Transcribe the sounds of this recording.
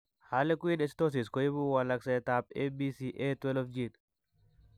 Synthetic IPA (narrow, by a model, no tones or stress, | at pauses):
haːlɛkʊiːnɛst̪os̬iːskɔjɪbuːwalːɐkseːt̪aːpeːbiːsiːʔeːt̪wɛlɔfd͡ʒiːn